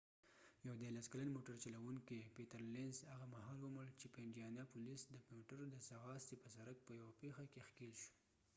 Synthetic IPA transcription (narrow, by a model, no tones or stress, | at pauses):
jawd̪eɾlaskalanmoʈaɾt͡ʃalawuŋkipet̪aɾlenzhaɣamahɑlwəməɽt͡ʃepeɪɳɖijɑnapulisd̪əpmoʈaɾd̪əsaɣɑst̪ipəsaɾak̚pəjawapexakexkelʃu̥